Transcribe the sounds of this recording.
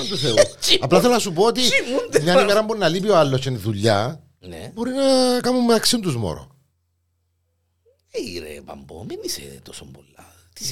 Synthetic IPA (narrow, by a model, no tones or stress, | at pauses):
nt̪uθeut͡ʃiɐplɐθelonɐsupoot̪iimund̪eɲɐnimeɾɐmboɾinɐlip̬ioɐlːosçeniðuʎːɐ̰ | nḛbo̞ɾinɐkɐmumːeɐksiunt̪uzmo̰ɾo̰ | eiɾḛpɐ̰mbo̰minisḛt̪osombolːɐ | t̪is